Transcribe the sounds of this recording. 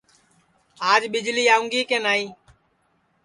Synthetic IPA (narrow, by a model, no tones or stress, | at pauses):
aːd͡ʒɓɪd͡ʒliːaːʊ̃ŋɡiːkẽːnaːiː